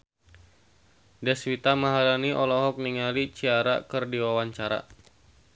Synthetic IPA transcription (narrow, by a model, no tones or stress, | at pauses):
dɛswit̪amaɦalaniʔɔlɔɦɔk̚niŋalit͡ʃiaɾa̰kɨrdiwawaɲt͡ʃaɾa̰